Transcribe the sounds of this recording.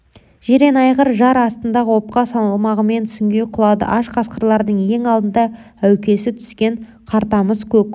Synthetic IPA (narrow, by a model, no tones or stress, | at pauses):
ʒ̥eɾenɑjʁəɾʒɑɾɑst̪ənd̪ɑʁəwo̞p̚qɑsɑnɑlˠmɑʁəme̞nt̪ʰʏ̥sɪŋɡʲe̞jqʰʊlˠɑd̪ə̰ʔɑʃqʰɑsqəɾlˠɑɾd̪əɴje̞ŋɑlˠd̪ənd̪ɑ | æwkʲe̞sɪt̪ʰʏ̥skʲe̞ɴ | qʰɑɾt̪ɑməzkʲʰɵk̚